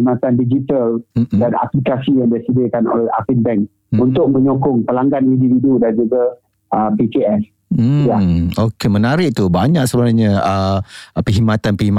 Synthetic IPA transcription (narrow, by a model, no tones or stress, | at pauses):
imat̪andid͡ʒit̪aldana̰plikasijaŋdiasədɪkano̰lɛha̰finbɛŋk | unt̪ʊk̚mə̃ɲokʊŋpəlaŋɡanindividudand͡ʒuɡa | ʔəpikeʔɛs̩ | jaokemənaɾɪʔ̚t̪ubaɲaʔsəbənaɲə̃əpəɦimat̪anpəɦima